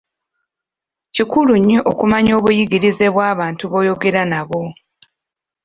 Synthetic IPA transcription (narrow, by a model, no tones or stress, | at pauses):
cikuluɲːeʔokumaɲo̞ːβujiɡiɾize̞βwaːβaːntuβo̞ːjo̞ɡe̞ɾanaβo̞